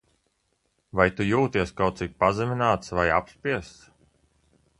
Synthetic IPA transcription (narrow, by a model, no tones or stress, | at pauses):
vajt̪ujuːt̪iɛskawt̪sik̚pazɛminaːt̪svajapspiɛst̪s